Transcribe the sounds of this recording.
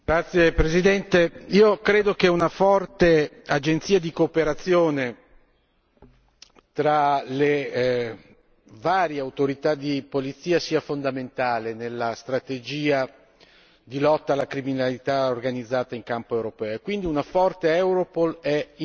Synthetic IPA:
ɡɾat̪sːjepɾezid̪ɛnt̪eiːokɾeːd̪okeunafɔrt̪ead͡ʒent̪siːad̪ikoːpeɾat̪sːjoːne | t̪ɾale | vaːɾjeawt̪oɾit̪ad̪ipolit̪siːasiːafond̪ament̪aːlenelːast̪ɾat̪ed͡ʒiːa | d̪ilɔt̪ːaːlːakɾiminalit̪aorɡanid̪zːaːt̪aiŋkampoewɾopɛːoekːwind̪iunafɔrt̪eɛwɾopolɛi

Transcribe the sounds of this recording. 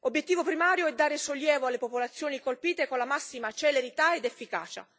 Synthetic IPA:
objet̪ːiːvopɾimaːɾjoɛd̪ːaːɾesolːjɛːvoalːepopolat̪sːjoːnikolpiːt̪ekonlamasːimat͡ʃeleɾit̪aed̪efːika̰ːt͡ʃa̰

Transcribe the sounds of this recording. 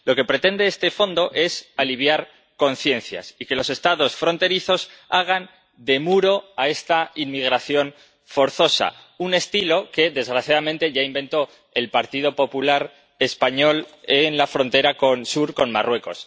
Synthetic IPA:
lo̞ke̞pɾe̞t̪e̞nd̪eest̪e̞fo̞nd̪o̞ʔe̞saliβ̞jaɾ | ko̞n̟θje̞n̟θja̰sike̞lo̞se̞st̪aðo̞sfɾo̞nt̪e̞ɾiθo̞saɣ̞an | d̪e̞muɾo̞ae̞st̪ainmiɣɾaθjo̞n | fo̞ɾθo̞sa̰ | une̞st̪ilo̞ke̞ðe̞zɣɾaθjað̞amẽnt̪e̞ʝaimbe̞nt̪o̞ | e̞lpaɾt̪ið̞o̞po̞pulaɾ | e̞spaɲo̞lenlafɾo̞nt̪e̞ɾako̞nsuɾko̞nmarwe̞ko̞̰s

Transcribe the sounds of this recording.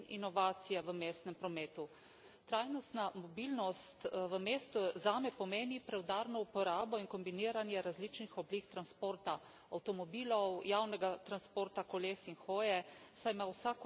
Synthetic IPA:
nḭnɔʋaːt̪sijaʋəmeːst̪nɛmpɾɔmeːt̪u | t̪ɾajnɔst̪namɔbiːlnɔst̪ʋəmeːst̪uzaːmɛpɔmeːnipɾɛwd̪aːɾnɔupɔɾaːbɔiŋkɔmbiniːɾanjɛɾazliːt͡ʃnixɔblikt̪ɾanspoːɾt̪a | awt̪ɔmɔbiːlɔwjaːwnɛɡat̪ɾanspoːɾt̪akɔleːsinxoːjɛsajmawsak

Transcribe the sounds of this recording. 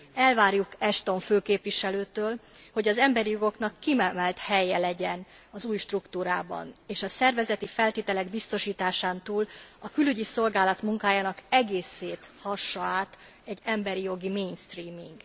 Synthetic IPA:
ɛlvaːrjukɛʃt̪o̞ɱføːkeːpʋiʃɛløːt̪øːlho̞ɟɒzɛmbɛɾijo̞ɡo̞kn̪ɒkːimɛmɛlt̪hɛjːɛlɛɟɛn | ɒzuːjʃt̪rukt̪uːɾaːbɒ̰neːʃɒsɛrvɛzɛt̪ifɛlt̪eːt̪ɛlɛɡbist̪o̞ʃiːt̪aːʃaːnt̪uːlɒkylyɟiso̞lɡaːlɒt̪muŋkaːjaːnɒkɛɡeːseːt̪hɒʃːɒaːt̪ | ɛɟːɛmbɛɾijo̞ɡimeːnst̪riːmiŋɡ

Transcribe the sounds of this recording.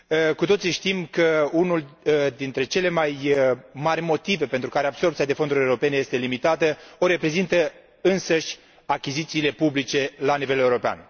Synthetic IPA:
kut̪o̞t̪siʃt̪imkəunuld̪int̪ɾe̞t͡ʃe̞le̞majmarʲmo̞t̪ive̞pe̞nt̪ɾukaɾeabso̞rp̚t̪sijad̪e̞fo̞nd̪uɾʲeuɾo̞pe̞neje̞st̪e̞limit̪at̪əo̞ɾe̞pɾe̞zint̪ə | ɨnsəʃʲ | akʲizit̪siːle̞publit͡ʃe̞lanive̞le̞uɾo̞pea̰n

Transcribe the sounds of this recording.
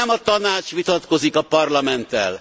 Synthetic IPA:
ɛmɒt̪ɒnaːt͡ʃʋit̪ɒt̪ko̞zikɒpɒrlɒmɛnt̪ːɛ̰l

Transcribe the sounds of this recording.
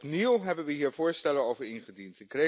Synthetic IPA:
niwɦɛbənʋəɦiːɹvʊːɹstɛləowvəɹɪnχədintɪkre

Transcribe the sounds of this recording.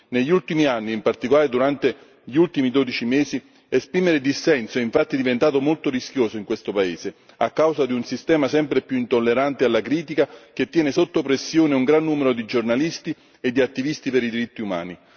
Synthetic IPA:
neʎːult̪imianːiːmpart̪ikolaːɾed̪uɾant̪e | ʎiult̪imid̪oːd̪it͡ʃimeːsi | espɾiːmeɾed̪isːɛnsoɛiɱfat̪ːid̪ivent̪aːt̪omolt̪oɾisk̟joːsoiŋkwest̪opaeːse | a̰kːawsad̪iunsist̪ɛːmasɛmpɾepjuint̪olːeɾant̪ealːakɾiːt̪ikak̟et̪ːjɛːnesot̪ːopɾesːjoːneuŋɡɾanːuːmeɾod̪id͡ʒornalist̪i | ed̪ːiat̪ːivist̪ipeɾid̪iɾit̪ːiuma̰ːni

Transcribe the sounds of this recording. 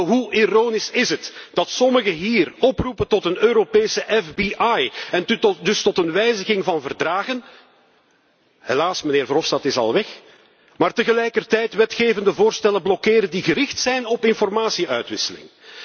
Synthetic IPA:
ɦuʔiroːnisɪzɦətd̥ɑtsɔməɣəɦiːrɔprupəntɔtənøːɾopeːsəʔɛfbiʔajɛndɵstɔtənʋɛjzəɣɪŋvɑnvərdraːɣən | helaːsməneːrvrɔfstɑtɪsɑ̰lˠʋɛx | maːrtəɣəlɛjkərtɛjtʋɛtxeːvəndəvoːrstɛləblɔkeːɾəndiɣəɾɪxtsɛjnɔpɪnfɔrmaːsiœɥtʋɪsəlɪ̰ŋ

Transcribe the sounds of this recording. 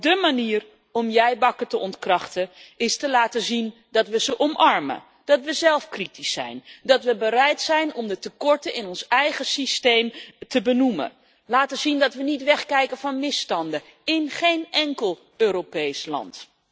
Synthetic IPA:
dəmaniːər | ɔmjɛjbɑkətəʔɔntkrɑχtəɪstəlaːtəzin | dɑtʋəzəʔɔmʔɑɹmə̰ | d̥ɑtʋəzɛlˠfkritisːɛ̰jndɑtʋəbəɾɛjtsɛjnɔmdətəkɔɹtəɪnɔnsɛjχəsistejmtəbənumə̰ | laːtəzindɑtʋənitʋɛχkɛjkənvɑnmɪstɑndə | ɪnχejnʔɛŋkəlˠ | øːɾopejslɑ̰nt

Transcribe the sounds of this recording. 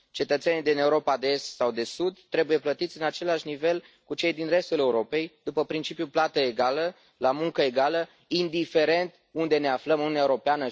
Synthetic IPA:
t͡ʃe̞t̪ət̪senid̪ine̞uɾo̞pad̪eest̪sawd̪e̞sud̪t̪ːɾe̞buje̞plət̪it̪sʲɨnat͡ʃe̞laʃnive̞l | kut͡ʃe̞jd̪inre̞st̪ule̞uɾo̞pe̞jd̪upəpɾint͡ʃipjuplat̪əeɡalə | lamuŋkəe̞ɡalə | ind̪ife̞ɾe̞nt̪ | und̪e̞ne̞afləmununaeuɾo̞peanə

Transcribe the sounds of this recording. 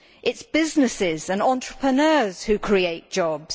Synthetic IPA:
ʔɪtsb̥ɪznɪsɪzə̃nɒ̃nt͡ʃɹ̥əpʰɹənɜːz̥hʉkʰɹ̥ieɪʔ̚d̥ʒ̥ɒbz̥

